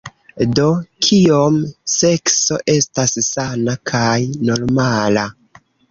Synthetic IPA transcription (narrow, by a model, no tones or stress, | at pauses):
do̞kʰio̞mse̞kso̞ʔe̞stassanakʰajno̞ɾmala